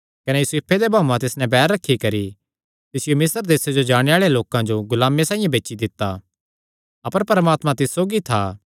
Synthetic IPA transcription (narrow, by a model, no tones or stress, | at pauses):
kɐnɛjuseːpʰed̪ebʱaːmãt̪ɪsnɛ̃bɛːɾːɐkʰːikɐɾi | t̪ɪsɪjomɪsəɾd̪eːsed͡ʒod͡ʒaːɽ̃eaːɭeloːkãd͡ʒoɡʊlaːmːesãːĩjãbeːt͡ʃid̪ɪt̪ːa | ɐpəɾpɐɾəmaːt̪mãt̪ɪsːoːɡit̪ʰa